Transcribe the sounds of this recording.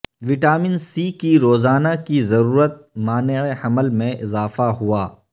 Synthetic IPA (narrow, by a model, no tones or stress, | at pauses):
ʋɪʈaːmɪnsiːkiɾoːzaːnakizɐɾuːɾət̪̚maːneeɐməlmẽʔɪzaːfaɦuaː